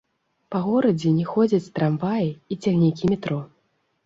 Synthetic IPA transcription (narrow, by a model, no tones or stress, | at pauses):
pɐɣɔɾɐd͡zʲɛnʲɛxɔd͡zʲɐt͡sʲst̪ɾamvajiit͡sʲaɣnʲikʲimʲɛt̪ɾɔ